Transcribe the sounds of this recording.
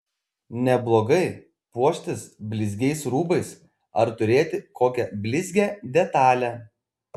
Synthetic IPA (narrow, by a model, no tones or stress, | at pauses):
nʲɛblˠoːɡɐɪ | puɔʃʲt̪ʲɪsbʲlʲɪzʲɡʲɛɪsɾuːbɐɪs | ɐɾt̪ʊɾʲeːt̪ʲɪkʰoːkʲɛbʲlʲɪzʲɡʲæːd̪ʲɛt̪ɑːlʲæ